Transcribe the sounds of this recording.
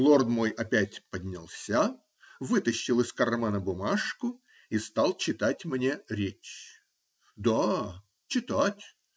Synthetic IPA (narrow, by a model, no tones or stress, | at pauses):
lˠo̞rd̪mojɐpʲætʲpədʲnʲa̰lˠsʲa | vɨt̪əɕːɪlˠɨskɐrmanəbʊmaʂkʊ | ist̪ɑlˠt͡ɕɪt̪atʲmnʲe̞ɾʲet͡ɕ | d̪a | t͡ɕɪt̪atʲ